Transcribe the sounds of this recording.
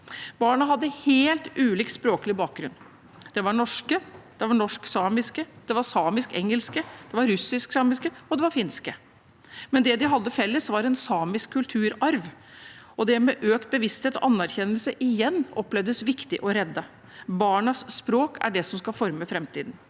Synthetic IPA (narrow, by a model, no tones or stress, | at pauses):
bɑːɳɑɦɑd̪ːəheːlt̪ʉːliːk̪spɾoːklɪbɑːk̚ɡɾʉnː | d̪̥ɛʋɑɳɔʂkəd̪̥ɛʋɑɳɔʂksɑːmɪskəd̪̥ɛʋɑɾsɑːmɪskɛ̰ŋːəlskəd̪̥ɛʋɑɾɾʉsɪsksɑːmɪskəɔd̪ɛʋɑɾfɪnskə | mɛnd̪ɛd̪ɪɦɑd̪ːəfɛlːəsʋɑɾɛnsɑːmɪskʰːʉlt̪ʰʉːɾɑɾʋ | ɔd̪ɛmɛʔøːkt̪̚bəʋɪst̪heːt̪ɔ̰ʔɑnːæɾçɛnəlsəʔɪjɛnːʔɔplɛʋd̪əsʋɪkt̪ɪʔɔɾɛd̪ːə | bɑːɳɑsːpɾoːkʰæ̰ɖɛsɔmskɑfɔɾməfɾɛmt̪ʰiːd̪n̩